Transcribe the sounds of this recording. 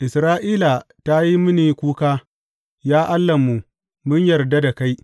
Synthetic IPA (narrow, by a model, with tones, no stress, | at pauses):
ʔɪ˨sɾaː˦ʔiː˦la˨ | ta˦ji˦mʊ˦niː˨kʷuː˦kaː˦ | jaː˦ʔa˦lːɐ˨mːu˨ | mʊ˦ɲjɐ˨rda˦da˨ka˦j